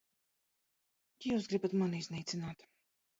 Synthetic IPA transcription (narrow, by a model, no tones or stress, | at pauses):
kʲijuːsɡɾibat̪maniznʲiːjt̪sinaːt̪